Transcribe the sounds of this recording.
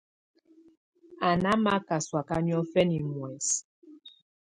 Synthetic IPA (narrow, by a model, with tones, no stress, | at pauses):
a˨na˦ma˦ka˨swa˨ka˦njɔ˦fɛ˦ni˨mwɛ˨s